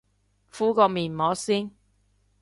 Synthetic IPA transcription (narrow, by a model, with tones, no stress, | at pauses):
fuː˥kɔː˧miː˨˩nmɔː˨˥siː˥n